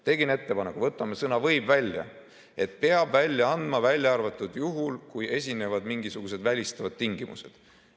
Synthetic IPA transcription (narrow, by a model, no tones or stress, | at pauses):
t̪e̞ɡinet̪ːe̞pɑnekuvɤt̪ːˑɑmesɤnɑvɤjbvælʲjɑ̰ | e̞t̪pe̞ɑb̥vælʲːjɑɑnd̪mɑvælʲjɑɑrvɑt̪ːˑud̪̥juɦulkujʔe̞s̬ʲine̞vɑd̪miŋɡisuɡ̥use̞d̪vælʲist̪ɑvɑd̪̥̚t̪iŋɡ̥imṵse̞d̪̥